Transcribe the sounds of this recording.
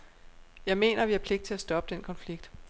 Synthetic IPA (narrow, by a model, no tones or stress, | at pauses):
jɑ̈ɪme̝̰ːnɐʋiæɐpʰle̝ɡ̥d̥̚t͡sʰe̝læsd̥ɒ̽b̥əd̥enkʰɒ̽nfliɡ̥̚d̥